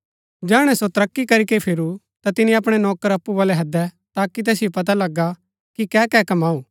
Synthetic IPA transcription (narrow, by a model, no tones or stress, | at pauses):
d͡ʒɛːɽ̃ɛsot̪ɐɾɐkːikɐɾikepʰɪɾu | t̪at̪ɪniɐpɽ̃ɛnɔːkəɾɐpːubaːlɛɦɐd̪ɛ | t̪aːkit̪̬ɛːsjopɐt̪̬alɐɡːa | kikɛːkɛkɐmaːuː